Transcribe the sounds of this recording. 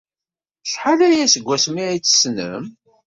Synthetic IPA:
ʃħalæjæsəɡʷːæsmiʕit͡sːə̥snə̰m

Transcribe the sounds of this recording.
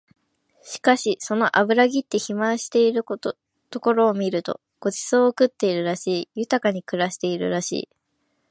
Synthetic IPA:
ɕi̥kaɕiso̞no̞ʔabɯ̟ɾaɡʲit̪ːe̞çimãɰ̃ɕi̥t̪e̞iɾɯ | t̪o̞ko̞ɾo̞ːmʲiɾɯ̟t̪o̞̰ | ɡ̥o̞d͡ʑi̥soːokɯ̟t̪ːe̞iɾɯ̟ɾaɕiːjɯ̟t̪akaɲ̟ikɯ̟ɾaɕi̥t̪e̞iɾɯ̟̰ɾaɕḭː

